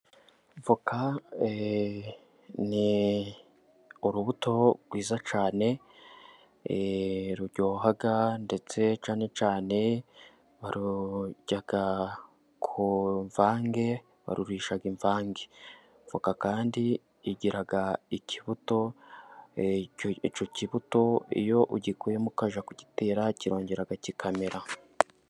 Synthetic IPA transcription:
ɱvukʰa | ni | uɾuβuto̞ɾɡwiːzat͡ʃaːne̞ | ɾuɾɟo̞ːɦaɡande̞t͡se̞t͡ʃaːne̞t͡ʃaːne̞ | βaɾuɟ̥aɡ̥a | kʰuɱvaːŋɡe̞ | βa̰ɾuɾiːʃaɡiɱvaːŋɡe | ɱvokakaːndiː | ɟiɾaɡaiciβuto̞ | it͡ʃociβuto̞ḭjo̞ʔuɟikujemukaʒakuɟiteːɾaciɾo̞ːɲɟe̞ɾaɡacikʰameɾa

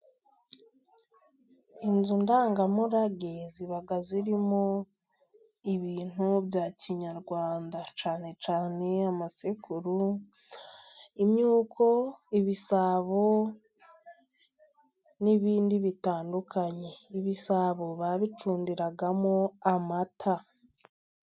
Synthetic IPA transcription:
inzundaːŋɡamuɾaɡeziβaɡaziɾimo | iβiːn̥uβjaciɲaɾɡwaːndat͡ʃaːne̞t͡ʃaːne̞amasikuɾu | imɲuːkʰo̞iβisaβo̞ | niβiːndiβitaːndukaɲe̞iβisaβo̞βaβit͡ʃuːndiɾaɡamoamatʰa

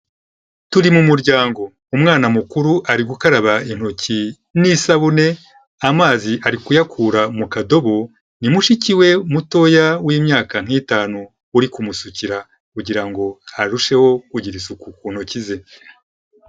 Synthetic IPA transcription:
tuɾimumuɾɟaːŋɡo̞ | umŋaːnamukuɾuʔaɾiɡukaɾaβain̥ho̞ci | nisaβune̞ | amaːziʔaɾikujakʰuːɾamukado̞βo̞ | nimuʃiciwe̞muto̞jawiːmɲaːkaŋ̥iːtaːnu | uɾikumusuciɾa | kuɟiɾaŋɡo̞haɾuʃe̞ho̞kuɟiɾisukukuːn̥ho̞cize̞

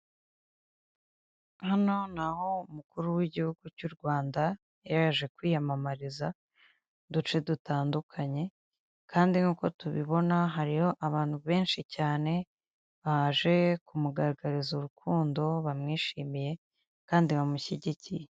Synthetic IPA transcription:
hano̞naho̞umukuɾuwiɟihuɡ̥ucuɾɡwaːnda | jaɾaʒe̞kwiːjamamaɾiza | dut͡ʃe̞dutʰaːndukʰaɲe̞ | kʰaːndiŋuːko̞tuβiβo̞naɦaɾijo̞ʔaβaːnhuβe̞ːnʃicaːne̞ | βahaʒe̞kumuɡaɾaɡaɾizuɾukʰuːndo̞βamŋiːʃiːmije̞ | kaːndiβamuçiɟicije

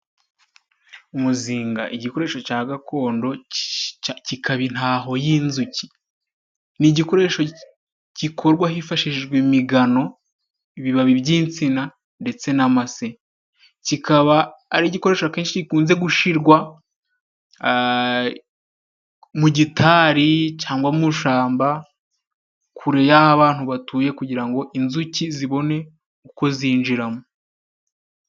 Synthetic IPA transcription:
umuziːŋɡa̰ʔiɟiko̞ɾe̞ːʃo̞caːɡakʰo̞ːndo̞ | cikaβin̥haːɦo̞jiːnzuci̥ | niɟiko̞ɾe̞ːʃo̞ | cikʰo̞ɾɡwaɦifaʃiʒɡwemiɡano̞ | iβiβaβibɟiːnt͡sina | nde̞t͡se̞namase | cikʰaβaːɾiɟiko̞ɾe̞ːʃake̞ːnʃiɟikuːnze̞ɡuʃiɾɡwa | muɟitʰaːɾit͡ʃaːŋɡwamuʃaːmba | kʰuɾe̞jahaβaːn̥huβatuːje̞kuɟiɾaŋɡo̞ʔinzuciziβo̞ne̞ | uko̞ziːnd͡ʒiɾamu

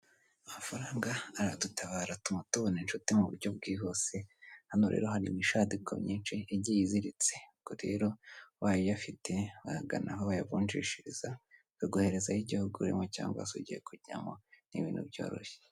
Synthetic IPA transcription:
amafaɾaːŋɡaːɾadutaβaːɾatumutuβoninʃutimuβṵɾɟo̞b̚ɡiːɦose̞hanoɾḛːɾohaɾimiʃadikʰomɲiːnʃiːɟijiziɾit͡sekoɾḛːɾo̞waːjojafite̞ahaɡa̰nʔaɦoβajaβuːnʃiʃiɾiza | kaɡuhe̞ɾe̞zajiɟihuɡuɾḭmoca̰ːŋɡaa̰soɟijḛkuɟa̰monḭβḭːnhṵbjo̰ɾo̰çe̥

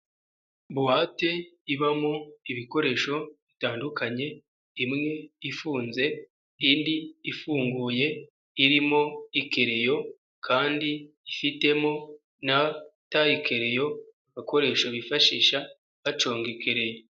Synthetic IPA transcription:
buwate̞iβamoiβiko̞ɾe̞ːʃo̞βitaːndukaɲe̞ | imŋe̞ifuːnze̞ | indiːfuːŋɡuːje̞ | iɾimo̞ike̞ɾe̞jo̞ | kʰaːndi | ifite̞mo̞ | nataikʰe̞ɾe̞jo̞aβako̞ɾe̞ʃo̞βifaʃḭːʃa | βat͡ʃo̞ːŋɡike̞ɾe̞jo

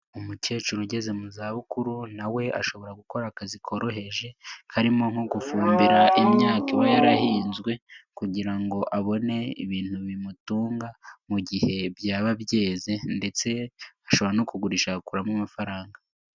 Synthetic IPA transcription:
umuceːt͡ʃuɾoɟe̞ze̞muzaːβukuɾunawe̞a̰ʃo̞βo̞ɾaɡuko̞ɾakazikʰo̞ɾo̞he̞ʒe̞kʰaɾimo̞ŋ̥hoɡufuːmbiɾaʔimɲaːkiβajaɾahiːnzɡwe̞kuɟiɾaŋɡo̞ʔaβo̞ne̞iβiːnhuβimutuːŋɡamuɟihe̞βjaːβabje̞ːze̞nde̞t͡se̞aʃo̞βanokuɡuɾiʃakuɾamumafaɾaːŋɡa

